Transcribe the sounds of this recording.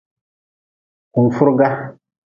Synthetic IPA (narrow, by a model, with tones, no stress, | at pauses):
ku˨nfu˦ɾɡa˦